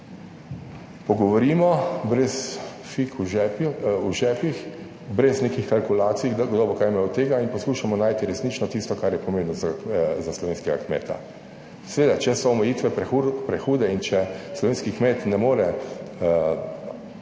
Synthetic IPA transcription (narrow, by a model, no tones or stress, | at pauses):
pɔɡɔʋɔɾiːmɔbɾɛs | fikuʒɛuʒɛːpix | bɾɛznekixkalkulaːt̪sijɡd̪ɔːbʋɔkaɾjmaut̪eːɡainpɔskuːʃamɔnaːjt̪iɾɛsniːt͡ʃnɔt̪ist̪ɔkaɾjɛpɔmẽmbnɔzazaslɔʋeːnskɛɡa̰kmḛːt̪a̰ | sɛʋeːd̪at͡ʃɛsɔɔmɛjiːt̪ʋɛpɾɛxuːd̪ɛint͡ʃɛslɔʋeːnskikmeːt̪nɛmoːɾɛ